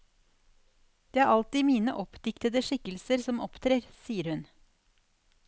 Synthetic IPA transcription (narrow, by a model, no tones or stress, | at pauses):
d̪̥eːæːɾʔɑlt̪iːmiːnə̰ʔɔpd̪ɪkt̪əd̪əʂɪkəlsəɾsɔmɔpt̪ʰɾeːɾsiːəɾhʉn